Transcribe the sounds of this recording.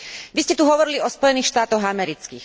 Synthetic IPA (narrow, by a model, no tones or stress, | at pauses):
ʋiscɛt̪uɦɔʋɔɾiliɔspɔjɛniːxʃt̪aːt̪ɔɣamɛɾit͡skḭːx